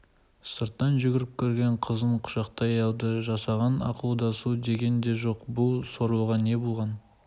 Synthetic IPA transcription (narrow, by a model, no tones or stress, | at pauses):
səɾt̪ːɑnʒʏɡʲɪɾɪp̚kʲʰɵɾɡʲe̞ɴqʰəzəɴqʰʊ̥ʃɑqt̪ɑɑjɑlˠd̪əʒɑsɑʁɑnɑ̰qlˠuwd̪ɑsud̪e̞ɡʲe̞nd̪e̞ʒo̞qbʊlˠso̞ɾuʁɑne̞bʊlˠʁɑn